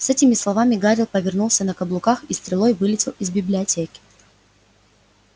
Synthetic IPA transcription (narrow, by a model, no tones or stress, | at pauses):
sɛtʲɪmʲɪslˠɐvamʲɪɡaɾʲɪlˠpəvʲɪrnulˠsʲənəkɐblˠʊkaxist̪ɾʲɪlˠo̞jvɨlʲɪtʲɪlˠɪzbʲɪblʲɪɐtʲekʲɪ̥